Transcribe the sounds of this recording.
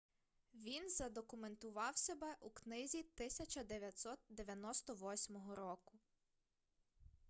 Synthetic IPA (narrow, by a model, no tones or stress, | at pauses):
ʋʲinzɐd̪ɔkʊment̪ʊʋɑwsʲebɛʔuknɪzʲit̪ɪsʲɐt͡ʃɐd̪eʋʲjɐt̪sɔt̪̚d̪eʋʲjɐnɔst̪ɔʋɔsʲmɔɦɔɾɔkʊ